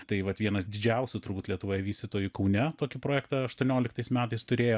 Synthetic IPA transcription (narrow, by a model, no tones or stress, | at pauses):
t̪ɐɪʋɐt̪ʋʲiɛnɐsd̪ʲɪd͡ʒʲɛʊsʲʊt̪ʊɾbuːt̪lʲiɛt̪ʊʋoːjɛʋʲiːsʲt̪ʲɪt̪oːjʊkɐʊnʲɛt̪oːkʲɪpɾoːjɛkt̪ɐɐʃt̪uɔnʲoːlʲɪkt̪ɐɪsmʲæːt̪ɐɪst̪ʊɾʲeːjo